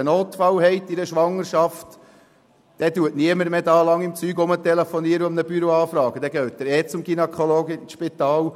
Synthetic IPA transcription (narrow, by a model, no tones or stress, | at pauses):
ənoːt̪fɑwhɛɪt̪ːɪɾəʃʋɑŋːəɾʃɑft̪ | d̥ɛtuətniəməɾmeːdɑːlɑŋɪmt͡syːɡʊmət̪ɛlefɔniəɾəʊmnəb̥yɾoɑːfɾɑːɡ̥əd̥̪ɛɡ̥œːt̚d̪əɾɛːt͡sʊmɡinɛkʰoloːɡɪʃpit̪ɑːw